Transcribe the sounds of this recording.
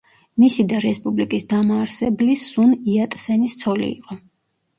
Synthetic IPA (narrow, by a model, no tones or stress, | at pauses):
misid̪aɾɛspʼublikʼisd̪amaːɾsɛblisːuniat̪ʼsɛnist̪sʰɔlḭːqʼɔ